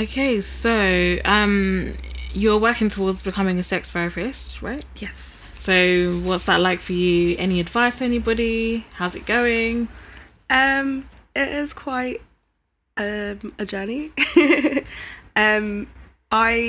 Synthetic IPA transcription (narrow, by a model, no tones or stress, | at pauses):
oʊkʰeɪsoʊʌ̃m | jə˞wɜˑ˞kɪ̃ŋtʰəwɔɹdzbɨkʰʌmɪ̃ŋɨsɛksv̥ɛɹfɪsɹa̰ɪt̚jɛs | soʊwʌtsðəʔˡlaɪkfəjʉɛ̰niɨdvaɪstʰəɛnibɒɾihaʊzɨt̚ɡ̥oʊɪ̃ŋ | ʔʌ̃mɪʔɪz̥kʰw̥aɪt | ʌməd͡ʒɜni | ʔʌ̃m | ʔaɪ